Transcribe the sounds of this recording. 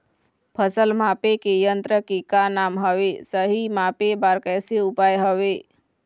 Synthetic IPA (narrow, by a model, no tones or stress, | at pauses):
pʰəsəlmaːpekejənt̪ɾəkekanaːmɦəʋesəɦimaːpebaːɾkɛːseʊpaːjɦəʋe